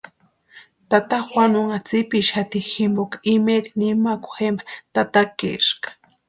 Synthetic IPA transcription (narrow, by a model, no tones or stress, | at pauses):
t̪at̪axwʷanʊŋat͡sipiʃxat̪iximbokaimeɾinimaku̥xembḁt̪at̪akḛʃkḁ